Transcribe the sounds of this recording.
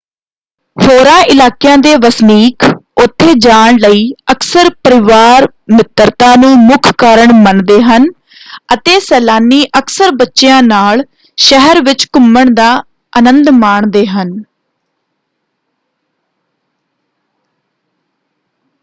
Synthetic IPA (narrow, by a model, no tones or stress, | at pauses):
hʰoːɾãːʔɪlaːkɪjãːd̪eːʋəsniːkʊt̪ʰːeːd͡ʒaːɳləiːəksəɾpəɾɪʋaːɾ | mɪt̪əɾt̪ãːnũːmʊkʰkaːɾəɳmənd̪eːɦən | ət̪eːsɛːlaːniːʔəksəɾbətːʃjãːnaːɭ | ʃəɦəɾʋɪt͡ʃkʊməɳd̪aː | ənə̃nd̪maːɳd̪eːɦən